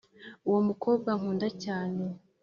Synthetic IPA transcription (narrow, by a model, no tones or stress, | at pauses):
uwo̞muko̞ːb̚ɡaŋ̥uːndacaːne̞